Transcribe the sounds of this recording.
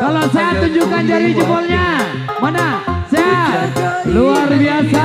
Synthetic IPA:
kalosajat̪uɲd͡ʒukandaɾid͡ʒəbɔlɲa | manasajaa | luarbiasa

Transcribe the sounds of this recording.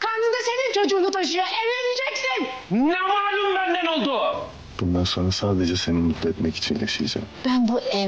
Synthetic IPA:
kʰand̪ɯnd̪ase̞nint͡ʃʰo̞d͡ʒuːnut̪ʰaʃɯjaʔevelid͡ʒɛcsinnɛmualɯmbænːɛɾolˠd̪ʊ | b̥und̪anso̞nɾasaːd̪e̞d͡ʒɛse̞ninmut̪ːɛɛt̪mɛci̥t͡ʃʰinja̰ʃɯ̰jd͡ʒa̰mb̥ænbuʔɛ

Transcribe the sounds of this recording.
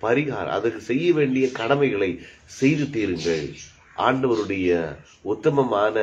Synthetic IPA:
pɐɾɪɣa̰ːɾɐ̰̃ɐ̰ðɐrkːɯsɛjːɐʋeːɳɖɪjɐkɐɽɐmɐɪɣɐɭɐɪsɛjðɯt̪iːɾɯŋɡɐɭ | ʔa̰ːɳɖɐʋɐɾɯɽɐjɐ | ʊt̪ːɐmɐmaːnɐ

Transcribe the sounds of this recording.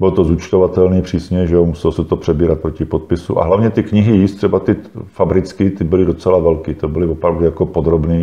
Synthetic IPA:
bɪlt̪ozut͡ʃt̪ovat̪ɛlniːpr̥iːsɲɛʒɛomusɛlosɛt̪opr̝̥ɛbiːɾat̪̚pɾocɪpot̪̚pɪsṵʔa̰ɦlavɲɛt̪ɪkɲɪɦɪjiːst̪r̥ɛbat̪ɪfabɾɪt͡skɪt̪ɪbɪlɪdo̞t͡sɛlavɛlkiːt̪obɪlɪvopɾavdujakopod̪ɾobniː

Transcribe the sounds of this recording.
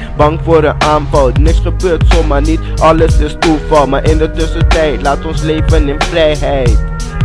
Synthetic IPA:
bɑŋfʊːɾəʔaːnfɑlˠnɪksχəbøːrtsomanitʔɑləsɪstufɑlˠmaːɾʔɪndətøsətɛjtlaːtɔnsleːfənɪnfrɛjɦɛjt

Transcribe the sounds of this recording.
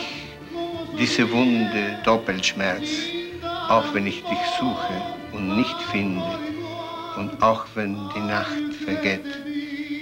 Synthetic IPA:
ç | d̥iːzəvʊndədɔpl̩ʃmɛʁt͡s | ʔaʊxv̥ɛnɪçd̥ɪçz̥uːxə | ʊntnɪçtfɪndə | ʊntaʊxv̥ɛndiːnaxtfɛɐɡeːt

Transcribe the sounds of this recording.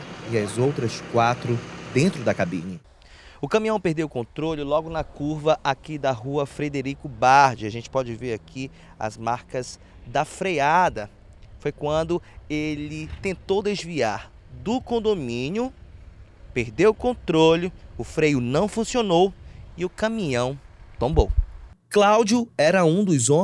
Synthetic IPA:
iɐzowt̪ɾɐskwat̪ɾʊd̪ẽnt̪ɾʊd̪ɐkabḭ̃ɲɐ | ʊkɐ̃mĩɐ̃w̃peɾd̪ewʊkõt̪ɾolʊlɔɡʊnɐkuɾvɐʔakid̪ɐɦuɐfɾed̪eɾikʊbaɾd͡ʒɪaʒẽnt͡ʃɪ̥pɔd͡ʒɪveɾakʰi | ɐ̰zmaɾkɐz | d̪ɐfɾejad̪ɐ | fojkwɐ̃nd̪ʊelɪt̪ẽnt̪owd̪ezviaɾ | d̪ʊkõnd̪omĩnjʊ | peɾd̪ewʊkõnt̪ɾolʊʊfɾejʊnɐ̃w̃fũsionowiʊkɐ̃mĩɲɐ̃w̃t̪õmbowklawd͡ʒjʊɛɾɐũd̪ʊzõ

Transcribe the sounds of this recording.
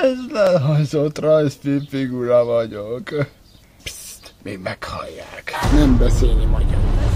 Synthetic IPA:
ɛzlɛlɦɒjzot̪rɒjst̪iːpfiɡuɾɒvɒɟok | pst̪meːɡmɛkhɒ̰jːa̰ːknɛmbɛseːlnimɒjɡɑ̰mɛ

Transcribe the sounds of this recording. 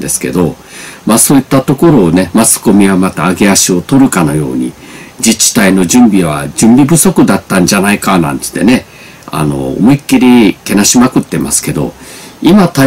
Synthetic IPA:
d̪e̞sɨ̥ke̞̰d̪o | maːso̞ːit̪ːat̪o̞ko̞ɾo̞ːne̞mat͡sɨ̥ko̞mʲiβamat̪aːɡeaɕio̞t̪o̞ɾɯ̟kano̞̰jo̞̰ːɲ̟ḭ | d͡ʑit͡ɕi̥t̪aino̞d͡ʑɨ̃mbʲiβa̰d͡ʑɨ̃mbʲibɯ̟so̞kɯ̟d̪at̪ːãɲ̟d͡ʑanaikanã̰nt̪ɨ̥t̪ːe̞̰ne̞ | a̰no̞̰ːmoikːiɾʲike̞naɕimakɯ̟t̪ːe̞ma̰sɨ̥ke̞d̪o̞̰imat̪a

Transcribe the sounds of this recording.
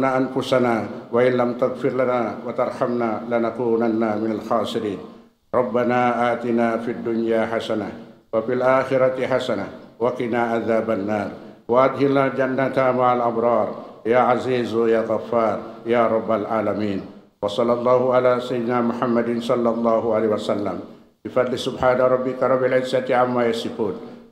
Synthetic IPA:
naʔanfʊsanaːwaʔɪnlamt̪aɣfɪɾlanaːwat̪ɑɾˤħamnaːlɪnaquːnanːaːmɪnalxɑːsɪɾiːn | ɾˤɑbːanaːʔaːt̪ɪnaːfiad̪ːʊnjaːħasana | wafilʔaːxɪɾɑt̪ħasanawakɪnaːʔaðaːbanːɑːɾˤ | waʔad̪hɪnaːld͡ʒanːat̪amaʕalʔabɾˤɑːɾˤjaːʕaziːzjaːɣafːɑːɾˤjaːɾˤɑbːalʕaːlamiːn | wɑsˤɑlːɑlˤːɑːhʊʕalaːsajɪd̪naːmʊħamːad̪ɪnsˤɑlːɑlˤːɑːhʊʕalːhwasalːa̰m | bɪfɑd̪ˤlɪsʊbħaːnaɾˤɑbːɪkaɾˤɑbːalʕɪzːat̪ʕamːaːjasɪkuːn

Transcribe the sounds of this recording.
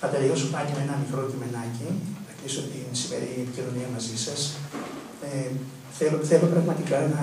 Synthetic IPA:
θɐt̪eliosopɐceme̞nɐmikɾo̞cime̞nɐciɐt̪isot̪insime̞̰ɾiepicino̞niɐmɐzisɐs | e | θeloθe̞lopɾɐɣmɐt̪ikɐnɐ

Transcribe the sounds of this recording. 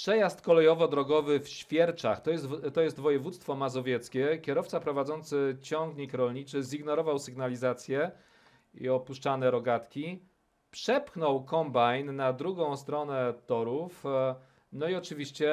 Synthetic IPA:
pʂɛjast̪kɔlɛjɔvɔd̪ɾɔɡɔvɘfɕfʲjɛɾt͡ʂa̰xt̪ɔjɛt̪ɔjɛst̪vɔjɛvut̪st̪fɔmazɔvʲjɛt̪skʲɛkʲjɛɾɔft̪sapɾɔvad̪zɔnt̪sɘt͡ɕɔŋɡɲikɾɔlɲit͡ʂɘziɡnɔɾɔvawsɘɡnalʲizat̪sʲjɛ | ḭɔpuʂt͡ʂanɛɾɔɡat̪kʲi | pʂɛpxnɔwkɔmbajnːad̪ɾuɡɔ̃w̃st̪ɾɔnɛt̪ɔɾuf | nɔiɔt͡ʂɘvʲiɕt͡ɕɛ

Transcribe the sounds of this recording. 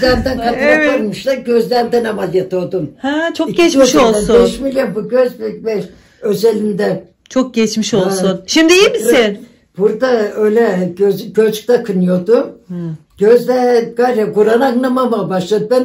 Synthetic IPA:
læɾnd̪ɛnkʰat̪ɯaaɾmɯʃlˠaɾɟøzlʲænd̪ɛnamazˠjat̪ʰod̪umhat͡ʃʰoɟɛt͡ʃʃolˠbɛʃmilʲjonbuɟøzbybɛʃ | øzelʲind̪ɛ | t͡ʃʰok̚ɟɛt͡ʃmiʃolˠsunʃimd̪iimiin | b̥uɾd̪aøjlʲɛɡøzɡøt͡ʃk̚t̪akʰɯnɯjo̞d̪u | ɟ̥øzd̪ɛɡajɾɛɡuɾanaaŋnˠamamabaʃlˠad̪ɯb̪ɛn

